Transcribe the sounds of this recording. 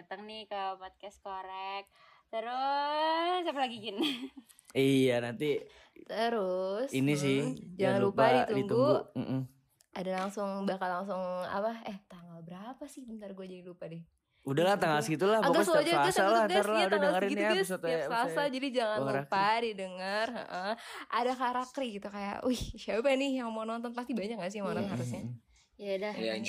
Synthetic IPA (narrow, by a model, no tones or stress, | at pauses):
at̪əŋnɪkəpɔt̪̚kɛstkoɾɛk̚ | t̪əɾʊ | siapalaɡiɡɪn | ijanant̪i | t̪əɾʊsinis̬ɪhd͡ʒaŋaanllupadit̪udiŋɡ̪uuɡum̩ʔm | ʔadalaŋsʊŋbakallaŋs̬ʊŋa̰paɛht̪aŋalbəɾapasɪhbənt̪arɡuad͡ʒadilupadɪh | udahlaht̪aŋalsɡit̪ulahaɡasod͡ʒaaɡasaluɡaslad̪ŋdaəlŋəɾinssasald͡ʒadid͡ʒaŋannluɾkpadidəŋərə̰ʔəʔadakaɾakriɡit̪ukaja̰uhʃawɛnɪhjaŋmaunɔnt̪ɔnpast̪ibaɲak̚ɲas̬ɪmananhaɾus̬ɲa | jadaja